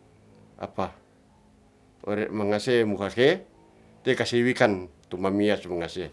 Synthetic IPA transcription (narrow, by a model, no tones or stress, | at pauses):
a̰pa | o̰ɾeʔmaŋasemukake | t̪ekasiwikant̪umamiasmaŋase